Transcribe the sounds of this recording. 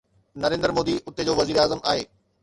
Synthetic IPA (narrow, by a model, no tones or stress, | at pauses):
nɐɾẽːnd̪əɾmoːd̪iʔʊt̪ed͡ʑoːʋɐziːɾeaːzəmaːɦḛː